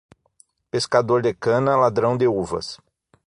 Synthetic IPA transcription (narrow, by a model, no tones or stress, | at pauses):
peskad̪oɾd̪ɪkɐ̃nɐlad̪ɾɐ̃w̃d̪euvɐ̰s